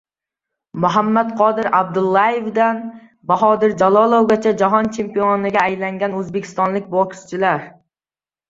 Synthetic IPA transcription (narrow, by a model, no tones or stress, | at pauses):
mʊɦamːat̪qʰɒd̪ɪɾab̚d̪ʊlˠːajevd̪an | baɦɒd̪ɪɾd͡ʒalˠɒlˠowɡʲat͡ʃʰad͡ʒaɦɒnt͡ʃʰe̞mpionɪɡʲaːjlaŋɡʲanɵzbekʲʰɪ̥st̪ɒnlɪk̚ʲbokst͡ʃʰɪlaɾ